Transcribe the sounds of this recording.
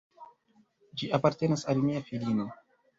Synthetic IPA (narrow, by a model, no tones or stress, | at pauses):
d͡ʒiapaɾte̞nasalmiafilino̞